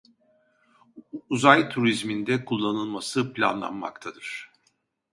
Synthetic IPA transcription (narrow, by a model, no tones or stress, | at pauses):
uzajt̪ʰuɾizmind̪ɛkʰulˠːanɯlˠmasɯplʲa̰nlˠa̰nma̰kt̪ʰad̪ɯɾ̥